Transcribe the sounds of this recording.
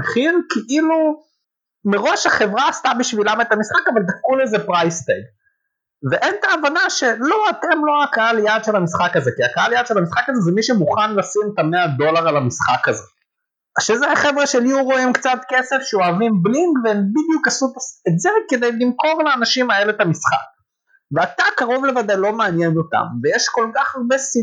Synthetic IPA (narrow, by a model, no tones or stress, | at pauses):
eχinkʰeʔilu | meʁo̞ʃaχe̞vʁaːst̪abiʃvilamet̪amisχakavald̪afkulezepʁajst̪eɡ | veʔe̞nt̪aːvanaʃe̞lo̞at̪e̞mlo̞akaaljad̪ʃelamisχakazekiakaaljad̪ʃelhamisχakazezemiʃemuχanlasimet̪amead̪o̞laʁalamisχakaze | aʃezeaχevʁeʃeljuʁo̞imkt͡sat̪ke̞se̞fʃeoavimbliŋɡveembid̪jukasut̪asetzeke̞d̪ejlimko̞ʁleanaʃimaelet̪amisχa̰k̚ | veat̪akaʁo̞vle̞vadajlo̞meanje̞not̪a̰mvejeʃko̞lkaχaʁbe̞si